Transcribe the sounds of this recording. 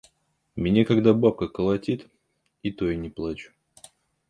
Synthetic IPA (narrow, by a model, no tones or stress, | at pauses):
mʲɪnʲakaɡd̪abap̚kəkəlˠɐtʲit̪ | it̪ojnʲɪplˠat͡ɕʊ̥